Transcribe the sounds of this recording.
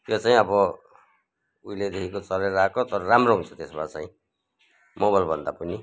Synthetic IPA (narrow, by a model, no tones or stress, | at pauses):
jot͡saĩʌbʌ | ujled̪ekʰikot͡sʌɾeɾakot̪ʌɾʌɾamroɦunt͡sʰʌ̥t̪esbat͡saĩ | moβalbʱʌnd̪apʌni